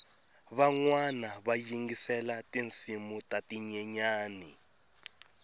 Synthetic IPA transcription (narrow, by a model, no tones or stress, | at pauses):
βaŋwanaβajiŋɡisɛlatint͡simutatiɲɛɲaːni